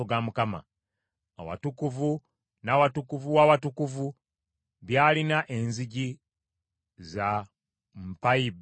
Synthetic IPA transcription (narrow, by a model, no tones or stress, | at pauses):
oɡamukama̰ | a̰wa̰tukuvu | nawatukuvuwawatukuvu | βjaːlinaʔenziɟi | za | m̩paib